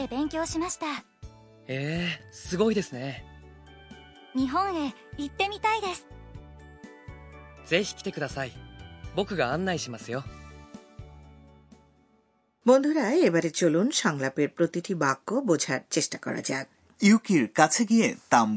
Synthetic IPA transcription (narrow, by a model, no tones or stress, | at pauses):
ebẽ̞ŋkʲoːɕimaɕi̥t̪a | eːsɨɡo̞id̪e̞sɨne̞ | ɲiɦõŋe | it̪ːe̞mʲit̪aid̪e̞sɨ̥ | z̥e̞çi̥kʲi̥t̪ekɯ̟d̪asaibo̞kɯ̟ɡaãnːaiɕimasɨjo | bond̪ʱoɾaeebaɾet͡ɕolunʃɔŋlapeɾpɾot̪iʈʰibakːobod͡ʑʱaɾt͡ɕeʃʈakɔ̰ɾa̰d͡ʑa̰k̚ | iukiɾkat͡ɕʰeɡiet̪am